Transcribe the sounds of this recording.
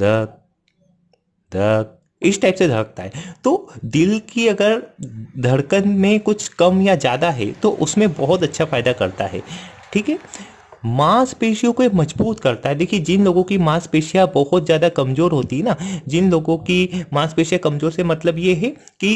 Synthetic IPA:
d̪ɐk̚ | d̪ʱɐk̚ | ɪsʈaːɪpsed̪ʱɐɽək̚t̪aɦɛːt̪oːd̪ɪlkiɐɡəɾd̪ʱɐɽkənmẽkʊt͡ʃʰkɐmjad͡ʒjaːd̪aɦɛ̰t̪oʔʊsmẽbɐɦʊt̪ɐtːʃʰafaːɪd̪akɐɾt̪a̰ɦɛ̰ː | ʈʰiːkɦɛː | maːspeːʃijõkoemɐd͡ʒbuːt̪kɐɾt̪aɦɛd̪eːkʰied͡ʒɪnloːɡõkimãːspeːʃijabɐɦɔt̪zjaːd̪akɐmzoːɾɦoːt̪iɦɛnad͡ʒɪnloːɡõkimãːspeːʃijakɐmzoːɾsemɐt̪ləbjeɦɛ | ki

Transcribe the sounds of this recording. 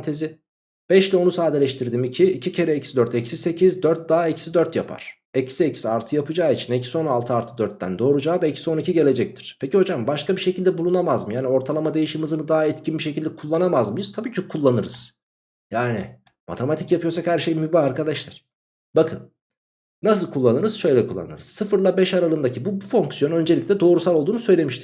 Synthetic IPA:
t̪ʰezɪ | b̥ɛʃlʲɛo̞nusaːd̪elʲɛʃt̪ʰiɾd̪iːmicʰiːcʰicʰe̞ɾɛɛcsid̪øɾt̪ɛcsise̞cʰizd̪øɾt̪̚d̪aːɛcʰi̥sid̪øɾt̪japʰa̰ɾ̥ | ɛcsiecisiaɾt̪ʰɯjapʰɯd͡ʒaːit͡ʃʰinɛcʰiso̞nalˠt̪ʰɯalɾt̪ʰɯd̪øɾt̪̚ːæ̰nd̪o̞ːɾud͡ʒaːvɛicʰi̥so̞nicʰiɟe̞lʲe̞d͡ʒɛc̚t̪ʰi̥ɾ̥pʰeciho̞d͡ʒambaʃkʰabiʃecʰilʲd̪ɛbulˠunamazmɯjaːnio̞ɾt̪ʰalˠamad̪e̞jiʃimizɯnɯd̪aɦɛt̪cʰinbiʃecʰilʲd̪ɛkʰulˠːanamazmɯjɯz̥t̪ʰabiːcʰikʰulˠːanɯɾɯz̥ | jaːnḭ | ma̰t̪ʰe̞mat̪ʰicjapʰɯjo̞sakhæɾʃe̞jmybaaɾkad̪aʃlˠaɾ̥ | bakʰɯnː | asɯlˠkʰulˠːanɯɾɯz̥ʃø̞jlʲɛkʰulˠːa̰nɯ̰ɾɯz̥sɯfɯɾlˠabɛʃaɾalˠɯnd̪acʰibubufo̞ŋksjonø̞nd͡ʒelʲiclʲɛd̪o̞ːɾusalˠolˠd̪uːnusø̞jlʲe̞miʃt̪ʰi̥c

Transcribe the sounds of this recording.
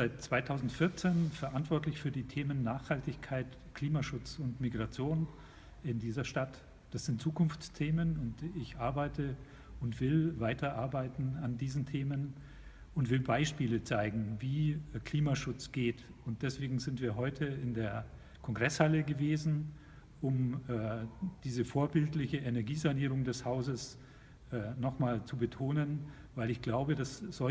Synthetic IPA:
zaɪtt͡sv̥aɪtʰaʊzn̩tfɪɐt͡seːnfɛɐʔantv̥ɔɐtlɪçfyːɐdiːtʰeːmənːaːχhaltɪçkʰaɪt | kʰl̥iːmaʃʊt͡sʊntmiɡʁat͡sjoːn | ɪndiːzɐʃtat | d̥asz̥ɪntt͡suːkʰʊnft͡stʰeːmənʊntɪçʔaɐbaɪtʰə | ʊntv̥ɪlvaɪtʰɐʔaɐbaɪtn̩andiːzn̩tʰeːmən | ʊntv̥ɪlbaɪʃpiːlət͡saɪɡŋ̩viːkl̥iːmaʃʊt͡sɡ̥eːtʊnt̚d̥ɛsv̥eːɡŋ̩zɪntv̥iːɐɦɔʏtʰəɪndeːɐ | kʰɔŋɡʁɛshaləɡəveːzn̩ | ʔʊmɛːd̥iːzəfoːɐbɪltlɪçəʔenɛɐɡiːzaniːʁ̞ʊŋdɛshaʊzəs | ʔɛːnɔχmaːlt͡subətʰoːnən | vaɪlɪçɡ̥laʊbədasz̥ɔ

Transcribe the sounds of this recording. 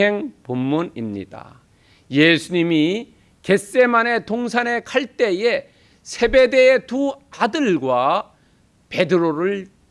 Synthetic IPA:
e̞ŋpumːunimɲḭd̥a̰ | jesʰuɲimi | ke̞s͈e̞mane̞t̪oŋsʰane̞kʰaɭt͈e̞je | sʰe̞be̞deetuadɯɭɡwa | pe̞dɯɾoɾɯɭ

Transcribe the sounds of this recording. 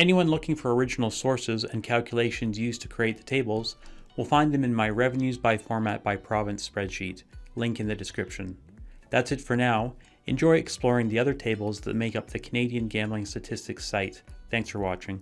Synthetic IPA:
ɛniwʌ̃nlʊkɪ̃ŋfə˞ə˞ɪd͡ʒn̩l̩ˠsɔɹsɪzɨ̰̃nkʰælˠkʰjəleɪʃɨ̃nzjʉz̥tʰɨ̥kʰɹ̥ieɪt̪̚ðɨtʰeɪbl̩ˠz̥wəlˠfãɪ̃nðɨ̃mɨ̃nmaɪɹɛvɨ̃n̩jʉzbaɪfɔɹmæt̚b̥aɪpʰɹ̥ɑvɨ̃nspɹɛd̥ʃitlɪ̃ŋkɨ̃nðɨdɨskɹɪpʃɨ̃n | ðætsɨtfə˞naʊ | ɨ̰̃nd͡ʒɔɪɨksplɔɹɪ̃ŋðiʌðə˞tʰeɪbl̩ˠzðɨ̰t̚meɪkʌp̚ðɨkʰəneɪɾiɨ̃nɡæ̃mbl̩ˠɪ̃ŋstɨtʰɪstɨksaɪt̪̚θæ̃ŋksfə˞wɑt͡ʃɪ̃ŋ

